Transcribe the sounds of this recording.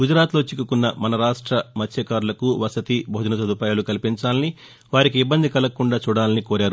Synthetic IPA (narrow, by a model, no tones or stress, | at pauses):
ɡud͡ʒɾaːt̪lo̞ːt͡ʃikːukunːɐmɐnɐɾaːʂʈɾɐmɐt̪ʰjɐkaːɾulɐkuʋɐsɐt̪ibʱoːd͡ʒɐnɐs̬ɐd̪upaːjaːlukɐlipiɲt͡ʃaːlɐni | ʋaːɾikiibːɐnd̪ikɐlɐkuɳɖaːt͡ʃuːɽaːlɐnikoːɾaːɾu